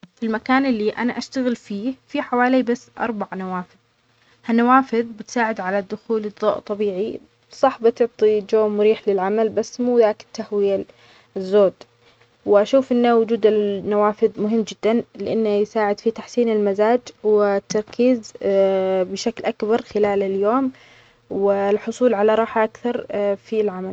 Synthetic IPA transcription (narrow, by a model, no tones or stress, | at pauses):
filmakaːnɪlːiʔa̰naʔaʃt̪aɣɪlfiːfiħawaːlibasːʔɑ̰ɾˤbaʕnawaːfɪð | hanːawaːfɪðbɪt̪saːʕɪd̪ʕalad̪ːʊxuːlɨd̪ˤːo̰ːʔt̪ˤːɑbiːʕi | sˤɑħbɪt̪ʊʕt̪ˤid͡ʒoːmʊɾiːħlɪlʕamalbasːmuːðaːkɪ̥t̪ːahwɪja | zːoːd̪ | wɪʔaʃuːfʔɪnːawʊd͡ʒuːd̪ɪnːawaːfɪðmʊɦɪmːd͡ʒɪd̪ːanlɪʔanːajsaːʕɪd̪fit̪aħsiːnɪlmazaːd͡ʒwɪt̪ːɑɾˤkʰiːz | bɪʃaklʔakbɑɾˤxɪlaːlɪljoːm | wɪlħʊsˤuːlʕalaɾˤɑːħaʔakθɑɾˤfilʕamal